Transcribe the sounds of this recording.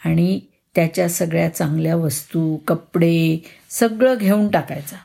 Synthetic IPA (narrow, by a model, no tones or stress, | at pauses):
aɽ̃i | t̪jat͡ɕjasəɡɭjat͡sãŋɡljaʋəst̪ukəpɽesəɡɭəɡʱeuːnʈakajt͡sa